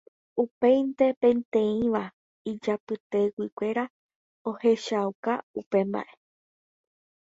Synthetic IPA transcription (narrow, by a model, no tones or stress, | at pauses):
upe̞jnt̪e̞pẽ̞nt̪ẽ̞ĩʋa | id͡ʒapɨt̪e̞wikʷe̞ɾa | o̞he̞ʃaukaupe̞mba̰ʔe̞